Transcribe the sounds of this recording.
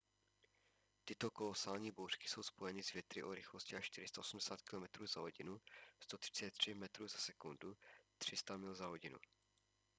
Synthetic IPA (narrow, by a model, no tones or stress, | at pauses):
t̪ɪt̪o̞ko̞lo̞salɲiːbowrkɪ̥so̞wspo̞jɛnɪzvjɛt̪ɾɪʔoɾɪxloscɪaʃʃt̪ɪɾɪst̪aosm̩dɛsaːt̪kɪlo̞mɛt̪ɾuːzaɦo̞ɟɪnust̪ot̪r̥ɪ̥t͡sɛt̪ːr̝̥ɪmɛt̪ɾuːzasɛkundut̪r̝̥ɪst̪amɪlzaɦoɟɪnṵ